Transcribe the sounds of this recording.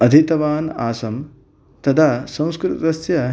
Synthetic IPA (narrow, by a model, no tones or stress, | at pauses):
ɐd̪ʱit̪ɐʋaːna̰ːsɐm | t̪ɐt̪ʰasɐ̃w̃skɾɪt̪t̪ɐsjɐ